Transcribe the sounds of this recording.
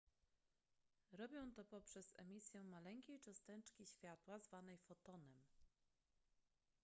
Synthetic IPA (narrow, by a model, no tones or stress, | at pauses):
ɾɔbʲjɔ̃w̃t̪ɔpɔpʂɛzɛ̰mʲisʲjɛmalɛŋkʲejt͡ʂɔst̪ɛnt͡ʂkʲiɕfʲjat̪wazvanɛjfɔt̪ɔnɛm